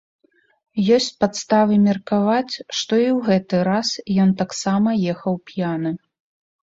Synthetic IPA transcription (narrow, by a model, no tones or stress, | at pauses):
jɔsʲt͡sʲpat̪st̪avɨmʲɐrkavat͡sʲʂt̪ɔiwɣɛt̪ɨɾasjɔnt̪aksamɐjɛxɐwpʲjanɨ